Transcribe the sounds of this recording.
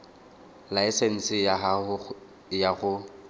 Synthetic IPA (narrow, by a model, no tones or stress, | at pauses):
laɪsen̩sɪa | jaɣʊ